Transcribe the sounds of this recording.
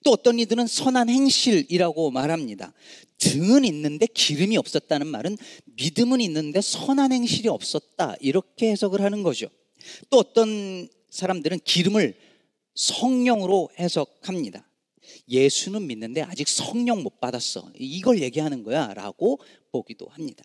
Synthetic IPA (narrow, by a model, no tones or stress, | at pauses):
t͈oʌt͈ʌnidɯɾɯnsʰʌnanɦe̞ŋɕʰiɾiɾaɡomaɾɦamɲida̰ | tɯŋɯninːɯnde̞kiɾɯmiʌp̚s͈ʌt̚t͈anɯnma̰ɾɯnmidɯmɯninːɯnde̞sʰʌnanhe̞ŋɕʰiɾiʌp̚s͈ʌt̚t͈a̰iɾʌkʰe̞he̞sʰʌɡɯɭɦanɯnɡʌd͡ʑo | t͈oʌt͈ʌn | sʰaɾamdɯɾɯnkiɾɯmɯɭ | sʰʌŋɲʌŋɯɾohe̞sʰʌk̚hamɲida | je̞sʰunɯnminːɯnde̞ad͡ʑik̚sʰʌŋɲʌŋmop͈adas͈ʌ̰iɡʌɭje̞ɡiɦanɯnɡʌjaɾa̰ɡ̥o | poɡido̰hamɲid̥ḁ